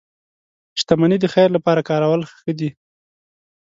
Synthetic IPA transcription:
ʃt̪amanid̪əxajɾlapɑɾakɑɾawalxə̥xəd̪i

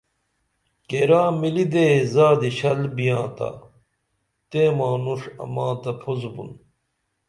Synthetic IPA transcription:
keːɾaːmilid̪ezaːd̪iɕɐlbijãːt̪a̰ | t̪eːmaːnuʂɐ̰mãːt̪ɐpʰozbṵn

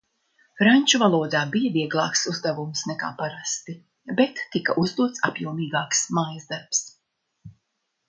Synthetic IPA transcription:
fɾaɲʲt͡ʃuvalˠuɔd̪aːbijaviɛɡlˠɑːksuzd̪avumsnɛka̰ːpaɾast̪i | bɛt̪ːikaʔuzd̪uɔt̪sa̰pjuɔmiːɡaːksmajzd̪aɾps

